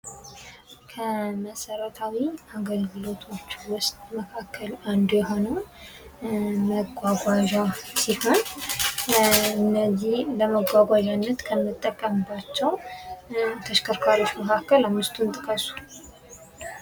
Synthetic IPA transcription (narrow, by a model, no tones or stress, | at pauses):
kʰəməsəɾət̪ʰawiaɡəlɡɨlo̞t̪ʰo̞t͡ʃːwʊst̪ʼməkʰakːəland̪ujɛɦo̞nəw | məɡʷaɡʷaʒasiho̞n | ɨnːəzihləməɡʷaɡʷaʒanːət̪kʰəmːɨt̪ʼːəkʼːəmbat͡ʃːɛw | t̪ʰəʃkʰəɾkʰaɾo̞t͡ʃːməkʰakːəlamːɨst̪ʰʼunt̪ʼɨkʼəsu̥